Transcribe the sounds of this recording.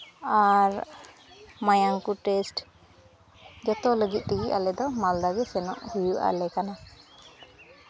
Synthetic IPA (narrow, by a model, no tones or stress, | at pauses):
aɾ | majaŋkuʈesʈ | d͡ʒɔt̪ɔləɡit̪̚ˀʈiɡiʔalɛd̪ɔmald̪aɡɛsɛnɔ̰ʔhujuʔa̰lɛkana